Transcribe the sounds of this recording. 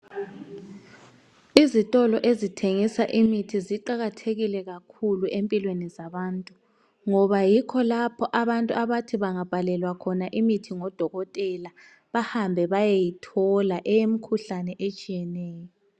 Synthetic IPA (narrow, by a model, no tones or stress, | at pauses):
izitʼɔlɔʔezitʰeŋisaʔimitʰiziǃaɣatʰeɣilɛɣakʰuluʔempʼilwenizaβaːntʼu | ŋɔβajikʰɔlapʰɔʔaβantʼuaβatʰiβaŋab̥ʱalɛlwakʰɔnaʔimitʰiŋɔd̥ʱɔɣɔtʼɛla | βahambʱɛβajejitʰɔlaʔɛjemikʰuɬanɛʔet͡ʃʼijɛnɛːjɔ